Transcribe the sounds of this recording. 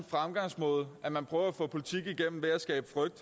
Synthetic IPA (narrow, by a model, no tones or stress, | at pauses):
nfʁamɡ̥ɑ̈ŋ̰smɔ̽ːðˠæmænpʰʁœːʊɐæfɔ̰̽ːpʰo̝lit͡sʰiɡ̥iɡ̥en̰m̩ʋeæsɡ̥ɛ̰ːb̥fʁœɡ̥̚d̥